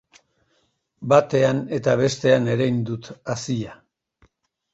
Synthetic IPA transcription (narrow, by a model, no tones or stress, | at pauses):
bat̪e̞ane̞t̪aβ̞e̞st̪e̞ane̞ɾajnd̪ut̪asia